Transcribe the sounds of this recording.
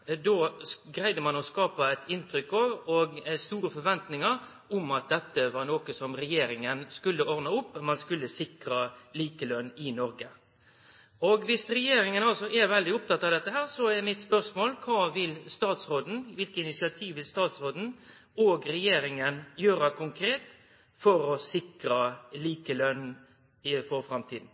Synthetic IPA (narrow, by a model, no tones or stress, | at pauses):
d̪oːɡɾæɪd̪əmɑnɔskɑːpɑæɪt̪ʰɪnt̪ɾʏkːɑʋɔɡst̪uːɾəfɔɾʋɛnt̪nɪŋəɾ | ɔmɑt̪̚d̪ɛt̪ːəʋɑɾnoːkəsɔmɾɛjeːɾɪŋənskʉlːəɔɾnɑʊpːmɑnskʉlːəsɪkɾɑliːkəlœnːɪnɔɾɡə | ɔɡʋɪsɾɛjeːɾɪŋənɑlsɔʔɛɾʋɛld̪ɪʊp̚t̪ʰɑt̪ːɑːʋd̪ɛt̪ːəɦæːʁsɔɛɾmɪt̪spœʁsmoːlkʰɑːʋɪlst̪ɑːt̪sɾoːd̪n̩ʋɪlkəɪnɪsɪɑt̪ʰiːʋʋɪlst̪ɑːt̪sɾoːd̪n̩ | ɔːɡɾɛjeːɾɪŋənjøːɾɑkʰʊŋkʰɾeːt̪ | fɔɾɔsɪkɾɑliːkəlœnː | ɪfɔɾfɾɑmt̪ʰiːd̪n̩